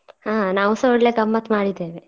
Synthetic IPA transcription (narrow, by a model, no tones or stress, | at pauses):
haːnaːʋusɐɽleɡɐmːɐt̪maːɽid̪eːʋe